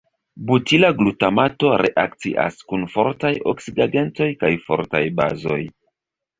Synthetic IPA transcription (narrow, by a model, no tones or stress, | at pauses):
butilaɡlutamato̞ɾe̞̰ʔak̚t͡sḭʔa̰skunfo̞ɾtajo̞̰ksiɡaɡe̞nto̞jkajfo̞̰ɾtajba̰zo̞̰j